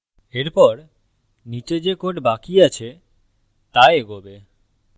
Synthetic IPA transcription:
eɾpɔɾ | nit͡ɕed͡ʑekoʈbakiat͡ɕʰe | t̪aeeɡobe

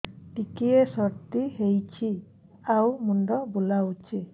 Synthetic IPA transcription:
ʈikiesɔɾt̪iɦejt͡ʃʰi | awmuɳɖɔbulaut͡ʃʰi

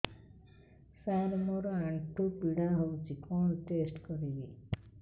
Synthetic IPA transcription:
saɾmɔɾɔaɳʈʰupiɽãɦowt͡ʃʰikɔnʈesʈkɔɾibi

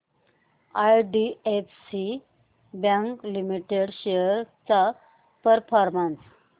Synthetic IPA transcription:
ajɖiefsi | bãŋklimiʈeɽɕejəɾt͡sa | pəɾfɔɾmans

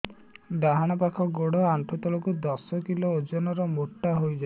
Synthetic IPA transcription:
ɖaɦaɽ̃ɔp̬akʰɔɡoɽɔaɳʈʰɔt̪ɔlɔkud̪ɔsɔkiloːd͡ʒɔnɔɾɔmoʈːaɦojd͡ʒa

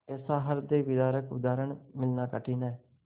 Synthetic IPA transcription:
eːsaːɦəɾd̪eːʋɪd̪aːɾəkʊ̰d̪aːɾəɳmɪlnaːkəʈʰiːnaːɛ

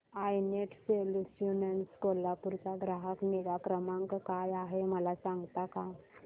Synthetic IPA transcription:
ajneʈselsjunənskolapuɾt͡saɡɾaɦəkneɾakɾəmãŋkkajaɦeməlasãŋɡt̪aka

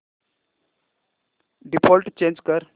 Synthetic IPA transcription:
ɖipʰɔːlʈt͡ʃẽːnd͡ʒkəɾ

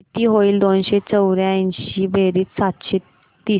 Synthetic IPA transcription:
t̪iːɦoiːld̪onɕet͡səwɾjãinɕiːbʱeɾiːt͡ssat̪ɕe | t̪iː

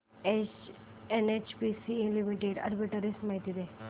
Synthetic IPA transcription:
et͡ʃ | enet͡ʃpisĩlimiʈeɖɐ̰ɾbiʈəɾismajt̪id̪e

